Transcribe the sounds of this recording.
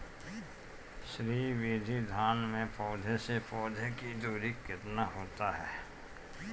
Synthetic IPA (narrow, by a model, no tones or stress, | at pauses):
ʃɾiːʋid̪ʱid̪ʱaːnmẽpɔːd̪ʱesepɔːd̪ʱekid̪uːɾikɪt̪naɦoːt̪aɦɛː